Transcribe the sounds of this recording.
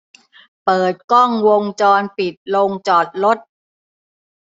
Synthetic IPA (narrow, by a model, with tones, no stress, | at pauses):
pɤː˨˩t̪̚kɔ˥˩ŋwo˧ŋt͡ɕɔː˧npi˨˩t̪̚lo˧ŋt͡ɕɔː˨˩t̪̚lo˦˥t̪̚